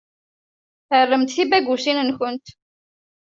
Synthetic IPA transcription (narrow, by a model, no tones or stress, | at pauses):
θərːəmt̪θibæɡusinənçʊnt̪